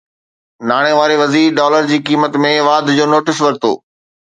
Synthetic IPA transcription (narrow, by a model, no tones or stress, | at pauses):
naːɽ̃eʋaːɾeʋɐziːɾɖɔːləɾd͡ʑiːkiːmət̪mẽʋaːd̪ʱd͡ʑoːnoːʈɪsʋɐɾt̪o̰ː